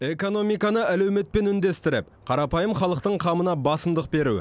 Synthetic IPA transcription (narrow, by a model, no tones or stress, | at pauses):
e̞ko̞no̞mijkɑnəʔælæwme̞t̪̚pe̞nʏnd̪e̞st̪ɪɾɪ̰p̚ | qʰɑɾɑpɑjəmχɑlˠəq̚t̪əɴqʰɑmənɑbɑsəmd̪əq̚be̞ɾu